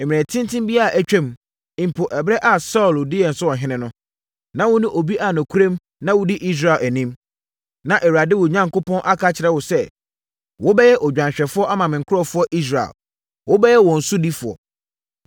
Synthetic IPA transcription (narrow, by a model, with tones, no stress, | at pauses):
e˨mɪ̃˨ɛ̃˨tʰɪ̃˦ntʰɪ̃˦mbi˦a˦a˨ʔæ˦t͡ɕᶣɛ̃˦m˨ | ɪ̃˨m̩˨pʰʊ˨ʔɛ˨bɾɛ˦ʔa˨sɔ˦ʊ˨ldɪ˦jɛ˨n̩˨sʊ˦wɔ̃˨ɦɪ̃˦nɪ̃˦nʊ̃˦ | nã˦wʊ˦nʊ̃˦ʔo˨bi˦ʔa˨nʊ̃˨kʰu˦ɾẽ˦m | nã˦wʊ˦di˦ʔi˦s̬ɾa˨læ˨nĩ˦m | nã˨ʔɛ˨wu˨ɾa˨dɪ˦wʊ˨ɲã˨ŋkʊ˦pʰɔ̃˦nʔa˦kʰa˦t͡ɕʰɪ˨ɾɛ˦wʊ˨sɛ˦ | wʊ˦bɛ˦jɛ˦ʔɔ˨d͡ʑᶣã˨nɕᶣɛ˨fʊ˦ɔ˦ʔa˦mã˨mɪ̃˨kʰʊ˦ɾɔ˦˨fʊ˦ɔ˦ʔi˦s̬ɾa̰˨l | wʊ˦bɛ˦jɛ˦wɔ̃˨n̩˨sʊ˦di˦fʊ˨ɔ̰˨